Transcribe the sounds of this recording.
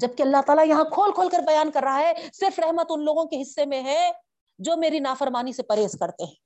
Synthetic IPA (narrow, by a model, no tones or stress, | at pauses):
d͡ʒɐb̚kiɐlːaɦt̪aːlajɐɦãkʰoːlkʰoːlkɐɾbɐjaːnkɐɾːɐɦaɦɛsɪɾfɾɛɦmət̪ʊnloːɡõkeɦɪsːemẽɦɛ̃ | d͡ʒoːmeːɾinaːfəɾmaːnisepɐɾeːskɐɾt̪eɦɛ̃ː